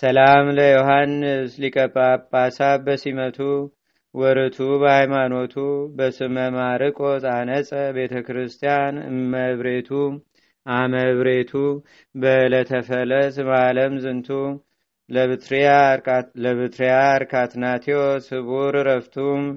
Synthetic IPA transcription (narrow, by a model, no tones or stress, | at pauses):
səlamləjoɦanːɨslikʼəpʼːapʼːasaβbəsimət̪ʰu | wɔɾɨt̪ʰubəhajmano̞t̪ʰubəsɨməmaɾɨkʼot̪ʼanəsʼəbe̞t̪ʰəkɾɨst̪ʰijanməβɾe̞t̪ʰu | ʔaməβɾet̪ʰu | bələt̪ʰəfələsmaləmzɨnt̪ʰu | ləɨt̪ɾaləβɨt̪ɾijaɾkʰat̪nat̪ʰiosɨβuɾɾəft̪ʰum